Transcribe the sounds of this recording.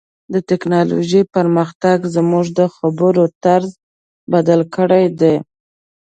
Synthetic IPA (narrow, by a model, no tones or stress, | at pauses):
d̪ət̪ɪknɑlo̰ʒipəɾməxt̪aɡzəmuʐd̪əxabəɾot̪aɾz | bad̪alkəɽajd̪e